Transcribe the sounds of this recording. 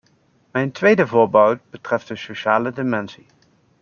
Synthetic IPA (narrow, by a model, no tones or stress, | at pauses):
mɛjntʋejdəvʊːɹbɔwt̚bətrɛft̚dəsoʃaːlədɪmɛnsi